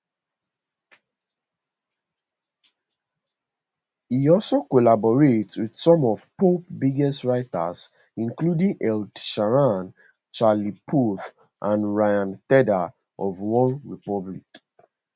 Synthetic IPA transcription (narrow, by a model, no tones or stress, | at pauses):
hiɔlsokɔlabɔɹetswid̥sɔ̃mɔv̥popbiɡɛstɹaɪta̰s | ĩnkludĩŋʔɛldʃaɹãn | t͡ʃalipʰuθ | ʔãnɹajãntɛda | ʔɔvwɔ̃nɹipɔblik